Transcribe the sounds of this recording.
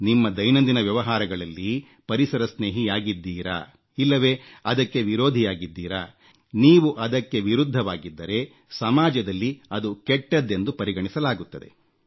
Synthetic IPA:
nimːɐd̪ɐjnɐnd̪inɐʋjɐʋɐɦaːɾɐɡɐɭɐlːi | pɐɾisɐɾɐsneːɦijaːɡid̪ːiːɾa̰ | ilːɐʋe̞ːɐd̪ɐkːe̞ʋiɾoːd̪ʱijaːɡid̪ːiːɾa̰ | niːʋuʔɐd̪ɐkːe̞ʋiɾud̪ʱːɐʋaːɡid̪ːɐɾe̞ | sɐmaːd͡ʒɐd̪ɐlːiɐd̪ukɛʈːɐd̪ːe̞nd̪upɐɾiɡɐɳisɐlaːɡut̪ːɐd̪e̞̰

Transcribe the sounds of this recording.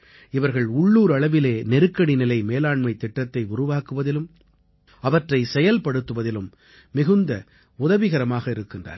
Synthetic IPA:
ɪʋɐɾɣɐɭʊɭːuːɾɐɭɐʋɪleːnɛɾɯkːɐɽinɪlɐɪmeːlaːɳmɐɪt̪ːɪʈːɐt̪ːɐɪʊɾʊʋaːkɯʋɐðɪlɯm | ɐʋɐʈrɐɪsɛjɐlpɐɽɯt̪ːɯʋɐðɪlɯmː | ɪɣɯnd̪ɐ | ʊðɐʋɪɣɐɾɐmaːɣɐɪɾɯkːɪndra̰ːɾ

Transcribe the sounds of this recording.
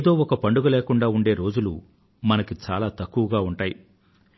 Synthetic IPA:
d̪o̞ːɔkɐpɐɳɖuɡɐleːkuɳɖaːuɳɖe̞ːɾo̞ːd͡ʒulu | mɐnɐkit͡ʃaːlaːt̪ɐkːuʋɐɡaːuɳʈaːji

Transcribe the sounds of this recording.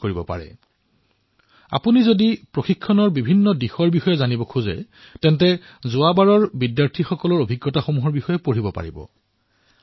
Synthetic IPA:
koɹibɔpa̰ɹɛ̰ | a̰punizodipɹoxikʰːɔnɔɹbibʱinːɔdixɔɹbixɔjɛzanibɔkʰuzɛ̰ | tɛntɛ | zʊabaɹɔɹbidjaɹtʰixɔkɔlɔɹobʱiɡːɔtaxomuɦɔɹbixɔjɛpoɹibɔpa̰ɹibɔ̰

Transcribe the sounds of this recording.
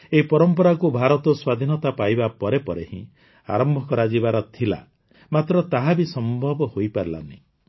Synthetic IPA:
eipɔɾɔmpɔɾakubʱaɾɔt̪ɔswad̪ʱinɔt̪apajbapɔɾepɔɾehḭ̃ | a̰ɾɔmbʱɔkɔɾad͡ʒibaɾɔt̪ʰila̰ | mat̪ɾɔt̪aɦabisɔmbʱɔbɔhojpaɾila̰nḭ̃

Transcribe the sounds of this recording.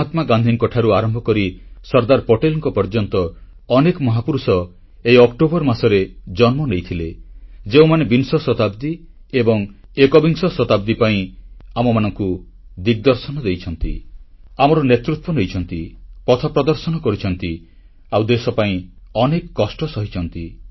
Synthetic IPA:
at̪maɡand̪ʱiŋkɔʈʰaɾuaɾɔmbʱɔkɔɾisɔɾd̪aɾpɔʈelɔŋkɔpɔɾd͡ʒɔnt̪ɔː | nekɔmɔɦapuɾusɔ | ejɔkʈobɔɾmasɔɾed͡ʒɔnmɔnejt̪ʰiled͡ʒeũmanebinsɔsɔt̪abd̪i | ebɔŋekɔbiŋsɔsɔt̪ab̚d̪ipaĩamɔmanɔŋku | d̪iɡ̚d̪ɔɾsɔnɔd̪ejt͡ʃʰɔnt̪ḭamɔɾɔnet̪ɾut̪wɔnejt͡ʃʰɔnt̪ipɔt̪ʰɔpɾɔd̪ɔɾsɔnɔkɔɾit͡ʃʰɔnt̪i | awd̪esɔpaĩɔnekkːɔsʈɔsɔɦit͡ʃʰɔnt̪i

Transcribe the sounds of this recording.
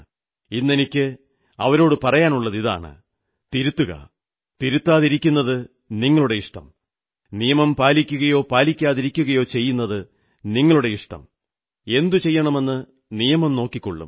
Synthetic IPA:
inːenikʲːɨ | ɐʋɐɾo̞ːɽɨpɐrɐjaːnuɭːɐðiða̰ːɳɨ̰ | t̪iɾut̪ːuɣɐ̰ | t̪iɾut̪ːaːðiɾikʲːunːɐðɨ | niŋːɐɭuɽe̞iʂʈɐ̰m | nijɐmɐmpaːlikʲːuɣɐjo̞ːpaːlikʲːaːðiɾikʲːuɣɐjo̞ːt͡ɕe̞jːunːɐðɨ | niŋːɐɭuɽe̞iʂʈɐ̰m | e̞nd̪ut͡ɕe̞jːɐɳɐme̞nːɨ | nijɐmɐmno̞ːkːikʲːo̰ɭːṵm

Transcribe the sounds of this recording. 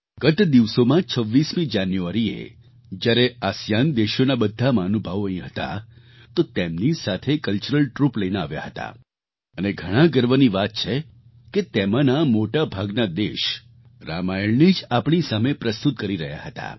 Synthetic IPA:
ɡət̪d̪iʋsomãt͡ʃʰəʋːismĩd͡ʒanjuaɾiḛ | d͡ʒjaɾeasjand̪eʃonabəd̪ʱːamãnubʱəʋoə̃ĩɦət̪a̰ | t̪ot̪emnisat̪ʰekəlt͡ʃuɾəlʈɾupləjnea̰ʋja̰ɦət̪a̰ | əneɡʱəɽ̃ãɡəɾʋəniʋat̪̚t͡ʃʰe | ket̪emãnamoʈabʱaɡnad̪eʃ | ɾa̰majəɭnid͡ʒapɳ̃isamepɾəst̪ut̪̚kəɾiɾəɦja̰ɦət̪a̰

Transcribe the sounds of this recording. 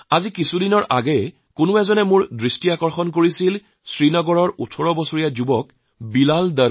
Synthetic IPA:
azikisudinɔɹʔaɡɛ | kʊnʊɛzɔnɛmʊɹdɹistiakɔɹxɔnkoɹisil | sɹinɔɡɔɹɔɹutʰɔɹɔbɔsoɹijazubɔk | bilalda

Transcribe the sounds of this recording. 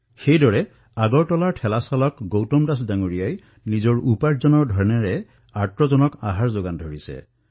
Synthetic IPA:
xejdɔɹɛ | aɡɔɹtɔlaɹʈʰɛlasalɔkɡowtɔmdasdaŋuɹijaj | nizɔɹupaɹzɔnɔɹdʱɔɹɛnɛɹɛ | aɹtɹɔzɔnɔka̰ɦaɹzoɡandʱoɹisɛ̰

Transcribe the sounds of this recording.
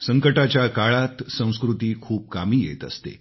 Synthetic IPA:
səŋkəʈat͡ɕjakaɭat̪sə̃w̃skɾut̪iːkʰuːp̚kamiːjḛt̪ə̰st̪ḛ

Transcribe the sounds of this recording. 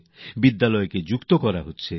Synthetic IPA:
bid̪ːalɔjeked͡ʒukt̪okɔɾaɦotːɕʰe

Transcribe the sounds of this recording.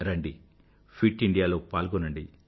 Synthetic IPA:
ɾɐɳɖi | pʰiʈiɳɖijaːloːpaːlɡunɐɳɖi

